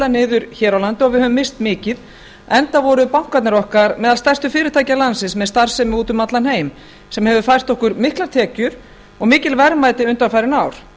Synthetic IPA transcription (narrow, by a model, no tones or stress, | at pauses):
lanɪːðʏɾçɛːɾawlant̪ɪɔɣvɪðhœvʏmːɪst̪mɪːcɪð | ɛnt̪avɔɾʏpawŋ̥kat̪nɪɾɔhkaɾmɛːðalst̪ɛr̥st̪ʏfɪːɾɪt̪ʰaːjcalansɪsmɛðst̪ar̥sɛmɪuːt̪ʏmat̪lanheːjm | sɛmhɛvʏfajr̥t̪ɔhkʏɾmɪhklaɾt̪ʰɛːcʏɾ̥ | ɔɣmɪːcɪlvɛɾmajt̪ɪʏnt̪anfajɾɪnaːwɾ̥